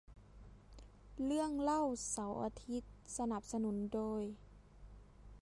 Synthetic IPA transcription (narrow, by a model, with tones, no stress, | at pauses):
lɯ˥˩əŋla˥˨wsa˩˦wʔa̰ː˧t̪ʰi˧˦˥t̪̚sa˧na˧˦p̚sa˧nu˨˩˦ndoː˧˩j